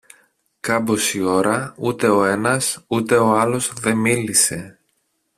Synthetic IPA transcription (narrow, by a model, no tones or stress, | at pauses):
kɐbo̞sio̞ɾɐut̪e̞o̞e̞nɐsut̪e̞o̞ɐlo̞zðe̞milise̞